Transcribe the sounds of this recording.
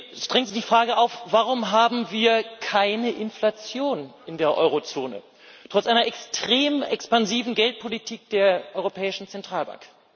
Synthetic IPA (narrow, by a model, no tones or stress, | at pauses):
ʃd̥ʁɛŋənziːdiːfʁ̥aːɡəʔaʊfv̥aʁ̞ʊmɦaːbm̩viːɐkʰaɪnəʔɪnflat͡sjoːnʔɪndeːɐʔɔ̰ʏʁot͡soːnə̰ | tʁ̥ɔt͡sʔaɪnɐʔɛkstʁ̥eːmɛ̰kspanziːvn̩ɡɛlt̚pʰolitʰiːk̚d̥eːɐʔɔʏʁopʰɛːɪʃn̩t͡sɛntʁ̥aːlba̰ŋk